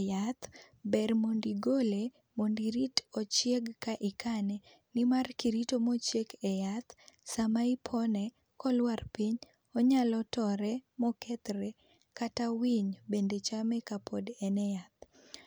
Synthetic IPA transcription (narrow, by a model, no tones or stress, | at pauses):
jat̪ | bɛrmondiɡole | mondiɾitɔt͡ʃjeɡkaʔɪkʰanɛ | nɪmarkiɾitomɔt͡ʃekɛjat̪samaipʰɔnɛ | kɔlwarpiɲ | ɔɲalɔtɔɾɛmɔkɛt̪ɾe | katawiɲbendet͡ʃamɛkapʰodɛnɛjat̪̚